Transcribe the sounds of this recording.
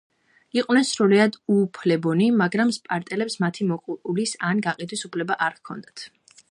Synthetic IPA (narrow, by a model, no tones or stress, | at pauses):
iqʼwnɛnsɾuliad̪uːpʰlɛbɔnimaɡɾamspʼaɾt̪ʼɛlɛpsmat̪ʰimɔqʼɾʼulisanɡaqʼid̪wisupʰlɛbaʔaɾkʰɔ̰nd̪at̪ʰ